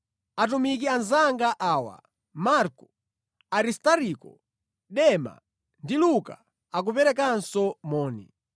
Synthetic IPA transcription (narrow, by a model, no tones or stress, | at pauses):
at̬umik̬ianzaŋɡaʔaːwa̰ | maɾkɔ | aɾistaɾikɔ̰ | ɗɛma̰ | ndiluka̰ | ak̬upɛɾɛk̬ansɔmɔːnḭ